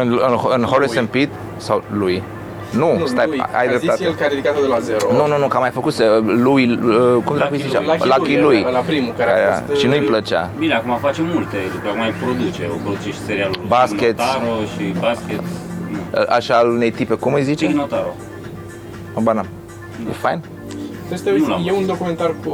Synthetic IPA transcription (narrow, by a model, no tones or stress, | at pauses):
ɨnɨnɨnhoɾisənpit̪ | sawluj | nust̪aj̰a̰jd̪ɾeat̪lkad̪ed̪ikat̪od̪elazeɾonununukamajfəkuselujəkumd̪ɾakijzit͡ʃḛalakilujlapɾimukaa̰ɾa̰ʃinujplət͡ʃa̰bineakumafat͡ʃemult̪elupəakumajpɾod̪ut͡ʃeopɾod̪ut͡ʃeʃt̪ʲseɾialbaskʲet̪aɾoʃibaskʲet̪ə̰ʔaʃaːlune̞jt̪ipekumɨjzit͡ʃinot̪aɾo | obana | jefa̰jn | t̪est̪eajeund̪o̞kument̪ar